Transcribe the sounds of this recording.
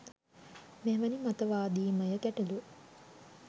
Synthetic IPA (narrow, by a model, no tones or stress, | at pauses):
meʋɐnimat̪əʋaːd̪iːməjəkæʈelu